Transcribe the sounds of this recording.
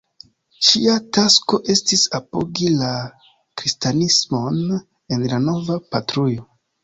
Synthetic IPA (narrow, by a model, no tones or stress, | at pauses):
ʃiatasko̞ʔe̞stisapo̞̰ɡila | kɾistanismo̞n | e̞nlano̞vapatɾujo̞